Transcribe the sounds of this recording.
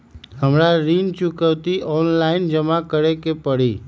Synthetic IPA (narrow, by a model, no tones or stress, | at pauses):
ɦəmɾaɾiːnt͡ʃʊkəʋt̪iʔɔːnlaɪnd͡ʒəmakəɾekepəɽiː